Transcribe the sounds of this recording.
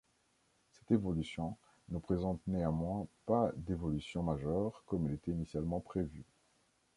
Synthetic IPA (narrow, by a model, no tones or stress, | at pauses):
sɛ̥t̪evɔlysjɔ̃ | nəpχezɑ̃t̪neamwɛ̃pad̪evɔlysjɔ̃maʒœʁkɔmɛlet̪ɛinisjalmɑ̃pχevy